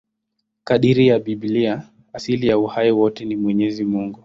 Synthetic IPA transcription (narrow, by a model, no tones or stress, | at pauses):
kaɗiɾijaɓiɓlia | asilijauhaiwɔtɛnimwɛɲɛzimuŋɡu